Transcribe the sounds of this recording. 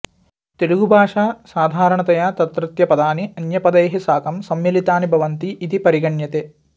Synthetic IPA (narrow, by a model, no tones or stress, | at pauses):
t̪eɾuɡubʱaːʂaːsaːd̪ʱaːɾɐɳɐt̪ɐjaːt̪ɐt̪ɾɐt̪jɐpɐd̪aːniɐnjɐpɐd̪eːɦɐsaːkɐmsɐmjɐlit̪aːnibʱɐʋɐnt̪iʔːt̪ipɐɾiɡɐɳjɐt̪eː